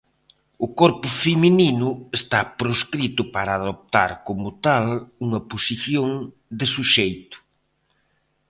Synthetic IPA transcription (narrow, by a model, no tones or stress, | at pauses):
ʊkɔɾpʊfemininʊest̪apɾoskɾit̪ʊpaɾaːðop̚t̪a̰ɾkomʊt̪aluŋɐposiθjoŋ | d̪ɪsuʃejt̪ʊ̥